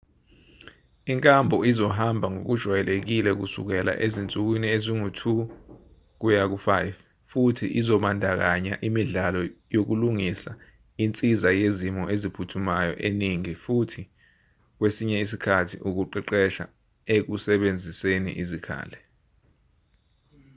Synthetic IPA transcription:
iŋkʼambʱɔizɔɦambʱaŋok̬ud̥ʒ̥ʱwajɛlek̬ilɛk̬usṵk̬ɛla̰ʔezint͡sʼuk̬winieziŋutʰu | k̬ujak̬ufajv | futʰḭʔizɔɓandʱak̬aɲaʔimiɮalɔjok̬uluŋisa | int͡sʼizajezimɔʔezipʰutʰumajɔ̰ʔeniŋifutʰi | k̬wesiɲɛis̬ikʰatʰiʔuk̬uǃiǃɛʃa̰ | ek̬usɛɓend͡zʱisenḭʔizikʰa̰ːlɛ

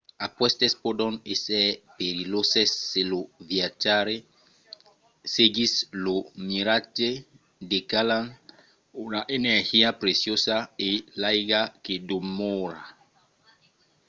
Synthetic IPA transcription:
apwest̪espod̪oŋesɛpeɾilosesːeloviat͡ʃaɾe | seɡislomiɾat͡ʃe | d̪ekalaŋ | unaʔeneɾhiapɾesjosaelajɡakedomoɾa

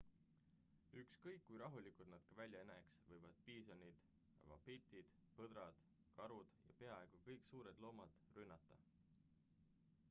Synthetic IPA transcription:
ykskɤjkːujɾɑɦulikut̪nɑd̪̥kɑvælʲjɑeneksvɤjvɑd̪̥̚piːsɑnid̪̥ | vɑ̰pet̪ːˑid̪̥ | pɤd̪ɾɑd̪̥ | kɑɾud̪̥jɑ̰pe̞ɑe̞ɡ̥ukɤjksuːɾed̪lo̞ːmɑd̪̥rynːɑt̪ːˑɑ

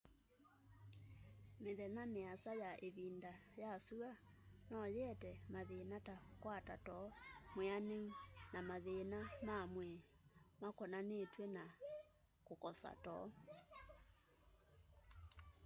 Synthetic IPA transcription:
meðɛnameasajaʔeβiːndajasuɣanɔjɛtɛmaðenatakwatatɔmweaneunamaðenamamwɛ | makɔnanetwɛna | kokɔsa̰tɔ

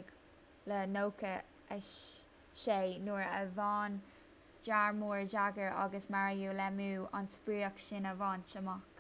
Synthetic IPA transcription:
ɡ | lənoːkə | əʃ | ʃeːnuːɹəvɑːn | d͡ʒaɹmuːɹd͡ʒaɡəɹa̰ɡəsmaɹjuːlɛmuːa̰nspɹiːəkʃɪnəvɑːnʃəmɔk

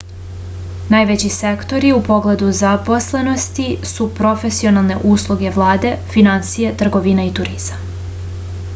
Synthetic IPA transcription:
najʋet͡ɕise̞kt̪o̞ɾiupo̞ɡle̞d̪uzapo̞sle̞no̞st̪isupɾo̞fesio̞nalˠne̞ʔuːslˠuɡe̞ʋlˠaːd̪e̞finansijet̪r̩ɡo̞ʋinait̪uɾizma

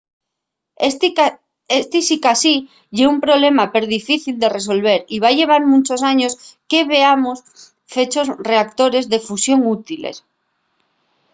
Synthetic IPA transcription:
est̪isikasi | ʝeumpɾo̞βle̞mapeɾðifiθild̪e̞re̞s̬o̞lβ̞e̞ɾiβ̞aʝe̞β̞aɾmũnt͡ʃo̞saɲo̞ske̞βe̞amos | fe̞t͡ʃo̞sre̞ak̚t̪o̞ɾe̞zðe̞fusjo̞ŋut̪ilḛs

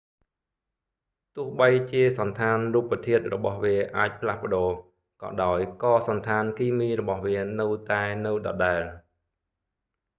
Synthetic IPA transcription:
t̪ʊ̆əhɓəjt͡ɕiəsɑnt̪ʰaːnruːpːət̪ʰiət̪̚rɔɓɑhʋiəʔaːc̚pʰlahpə̆ɗoː | kɑ̰ːɗaɔjkɑːsɑnt̪ʰaːnkiːmiːrɔɓɑhʋiənɨwt̪aɛnɨwɗɑ̰ɗaɛl

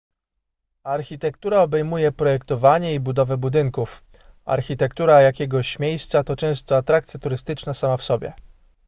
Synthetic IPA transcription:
aɾxʲit̪ɛkt̪uɾaɔbɛjmujɛpɾɔjɛkt̪ɔvaɲɛibud̪ɔvɛbud̪ɘŋkuf | a̰ɾxʲit̪ɛkt̪uɾajakʲɛɡɔɕmʲjejst̪sat̪ɔt͡ʂɛ̃w̃st̪ɔat̪ɾakt̪sʲjat̪uɾɘst̪ɘt͡ʂnasamafsɔbʲjɛ̰

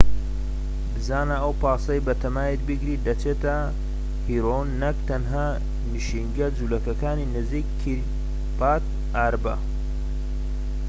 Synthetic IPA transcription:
bɨzaːnɐɐwpaːsɐjbɐt̪ʰɐmaːjit̪̚bɨɡɾiːd̪ɐt͡ʃeːt̪ɐ | hiɾonːɐk̚t̪ɐnɦaː | nɨʃiŋɡɐd͡zulɐkɐkaːninɨziːkːʰ | iɾ | paːt̪̚ | aːɾbɐ

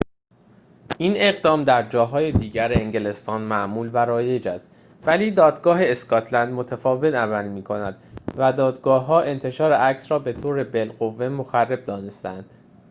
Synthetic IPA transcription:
ʔine̞ɣd̪ɒːmd̪æɾd͡ʒɒːɦɒːjed̪iːɟæɾeeŋɟe̞le̞st̪ɒːnmæʔmuːlvæɾɒːje̞d͡ʒæst̪ | væliːd̪ɒːd̪ɡɒːɦe̞ːskɒt̪ʰlænd̪mo̞t̪ʰæfɒːve̞t̪ʰævæniːmiːkʰo̞næd̪̥væd̪ɒːd̪ɡɒːɦːɒːʔe̞nt̪ʰe̞ʃɒːɾeʔæcsɾɒːbe̞t̪ʰoːɾe̞be̞lɢo̞vːe̞moxærːe̞b̚d̪ɒːnest̪æænd̪̥

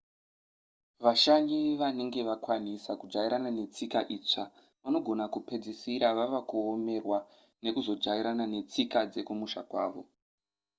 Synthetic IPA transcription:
ʋaʃaɲiʋane̞ŋɡe̞ʋakwanisakud͡ʐaiɾanane̞t͡sikaʔiːt͡ʂa | ʋano̞ɡʱo̞nakupe̞d͡zisiɾaʋaʋakuome̞rwa | ne̞kuzo̞d͡ʐaiɾanane̞t͡sikad͡ze̞kumuʃa̰kwa̰ːʋo̞

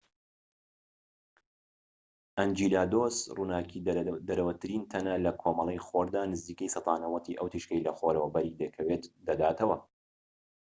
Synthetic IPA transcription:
ʔɐnd͡ʒiːlaːd̪osruːnaːkʰiːd̪ɐɾɐwɐt̪ʰɨɾiːnt̪ʰɐnɐlɐkʰomɐlˠejxoɾd̪aːnɨziːkəjsɐt̪ɑːnɐwɐt̪ʰiːʔɐwt̪ʰiʃkɐjlɐxoɾɐwɐbɐɾiːd̪ɐkʰɐweːt̪d̪ɐd̪aːt̪ʰɐwɐ

